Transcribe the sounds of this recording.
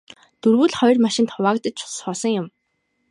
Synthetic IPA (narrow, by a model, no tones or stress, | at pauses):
t̪urɣuːɮχɔjrmaʃɪ̆nt̪ʰʊwaːkt̪ə̆t͡ɕ̚t͡ɕʰʊ̥sχɔːsɞ̆ŋjʊm